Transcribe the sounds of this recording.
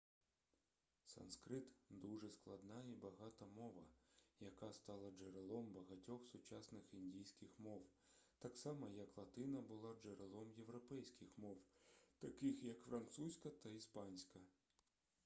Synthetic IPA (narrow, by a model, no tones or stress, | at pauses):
sɐ̰nskɾɪt̪d̪uʐɛsklˠɐd̪nɑibɐɦɑt̪ɐmɔʋɐjɐkɑst̪ɑlˠɐd͡ʒeɾelˠɔmbɐɦɐtʲɔxsʊt͡ʃɑsnɪxinʲdʲijsʲkʲɪxmɔw | t̪ɑksɑmɐjɐklˠɐt̪ɪnɐbʊlˠɑd͡ʒeɾelˠɔmjewɾɔpɛjsʲkʲɪxmɔwt̪ɐkɪxjɐkfɾɐnt̪susʲkɐt̪ɐispɑnʲsʲkɐ